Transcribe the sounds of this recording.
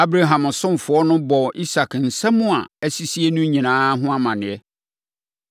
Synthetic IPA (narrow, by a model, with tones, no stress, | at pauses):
a˦bɾa˨ɦã˨m˨sʊ̃˦m˨fʊ˨ɔ˦nʊ̃˦bɔ˨ʔi˦sa˨kn̩˨sɛ̃˦mʊ̃˦a̰˨ɛ˦si˦si˦ɛ˦nʊ̃˦ɲĩ˨nãː˦ɦʊ̃˦a˦mã˨nɪ̃˨ɛ˦